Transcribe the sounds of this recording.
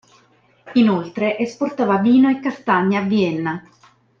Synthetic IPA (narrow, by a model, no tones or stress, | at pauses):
inolt̪ɾeʔesport̪aːvaviːnoekːast̪aɲːaavːiɛnːa